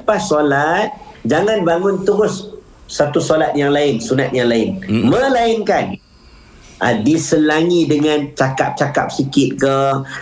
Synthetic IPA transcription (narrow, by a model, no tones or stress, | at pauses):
əpasolat̪̚ | d͡ʒaŋanbaŋʊnt̪əɾʊsː | at̪usolat̪̚jaŋlaɪnsunat̪̚jaŋlaɪnmə̃laɪŋkan | ʔa̰disəlaŋidəŋant͡ʃaka̰p̚t͡ʃakap̚sikɪt̪̚kə